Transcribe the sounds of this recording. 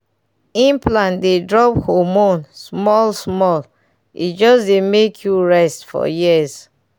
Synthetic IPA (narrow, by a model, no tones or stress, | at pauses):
ĩmplãndedɹɔphɔmõnsmɔlsmɔl | ḭtd͡ʒɔsdemekʰjuɹɛstfɔ̰jiz